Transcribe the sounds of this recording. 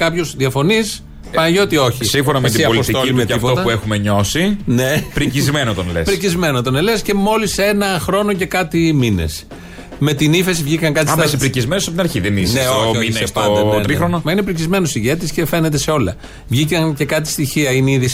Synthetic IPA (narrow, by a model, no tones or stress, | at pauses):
kɐpço̞zðiɐfo̞nis | pɐnʝo̞t̪io̞çisĩfonɐmet̪iɐboliost̪it̪olimet̪ɐifpot̪ot̪ɐpuexumeɲo̞sinepɾicizmenot̪onelespɾicizme̞not̪o̞nele̞sce̞mo̞lise̞nɐxɾo̞no̞ce̞kɐt̪iminḛs | me̞t̪inife̞s̬ivʝikɐŋkɐt̪ismesipɾicizmenosɐpt̪inɐɾçiðenisneoiɐsoɾixɾonɐmɐinepɾicizme̞nosiʝe̞t̪isce̞fe̞net̪e̞se̞o̞lɐ | vʝikɐŋce̞kɐt̪i̥st̪içiɐineiðis